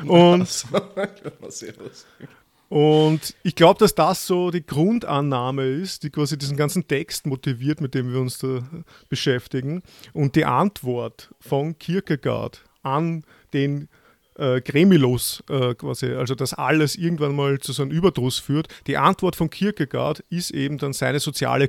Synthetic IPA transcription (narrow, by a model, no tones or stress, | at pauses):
ʊnt | ʔʊntɪçɡ̥laʊbəd̥asd̥asːoːd̥iːɡ̥ʁʊndanːaːməɪstd̥iːkv̥aːzidiːzn̩ɡant͡sn̩tʰɛkstmotiviːɐtmɪt̚d̥eːmviːɐʊnsd̥aː | b̥əʃɛftɪɡŋ̩ʔʊnt̚d̥iːʔantv̥ɔɐtfɔnkʰɪɐkəɡ̥a̰ɐt | ʔan | d̥eːn | ʔɛːɡ̥ʁemilʊsʔɛːkv̥a̰ːziʔalzod̥asʔa̰ləsʔɪɐɡŋ̩tv̥anmaːlt͡susanənyːbɐdʁʊsfyːɐtd̥iːʔantvɔɐtfɔnkʰɪɐkəɡa̰ɐtɪstʔḛːbm̩danzæɪnəzot͡sja̰ːlə